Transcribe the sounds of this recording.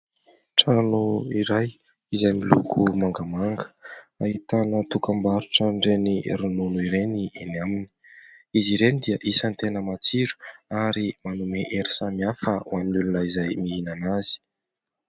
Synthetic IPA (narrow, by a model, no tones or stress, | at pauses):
ʈ͡ʂanuiɾaj | izajmilṵkʰumaŋɡamaŋɡə̥aɦit̪anət̪ukambaɾuʈ͡ʂəɳɖ͡ʐeniɾununuiɾeniinamini̥iziɾenid̪iəʔisənt̪enəmat͡siɾu̥aɾimanumeʔeɾi̥samiafəwaminulunəizajmiinanaz̥i̥